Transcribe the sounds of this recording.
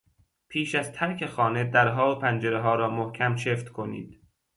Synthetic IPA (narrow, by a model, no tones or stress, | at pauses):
pʰiːʃæzt̪ʰæɾkʰe̞xɒːne̞d̪æɾɦɒːopʰænd͡ʒeɾeɦɒːɾɒːmohkʰæmt͡ʃʰeft̪kʰo̞nḭːd̪̥